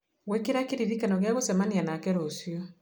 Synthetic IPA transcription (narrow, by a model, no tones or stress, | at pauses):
ɣwɛkeɾakeɾiðikanɔɣeaɣosɛmanianakɛɾosjɔ